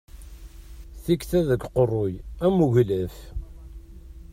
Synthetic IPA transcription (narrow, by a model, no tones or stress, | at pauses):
θikθæðəɡqərˤːojæmuʝləf